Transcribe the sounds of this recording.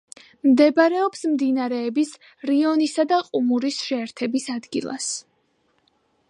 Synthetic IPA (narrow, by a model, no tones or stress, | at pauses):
md̪ɛbaɾɛɔpsmd̪inaɾɛːbis | ɾiɔnisad̪aqʼumuɾisʃɛːɾt̪ʰɛbisad̪ɡilˠa̰s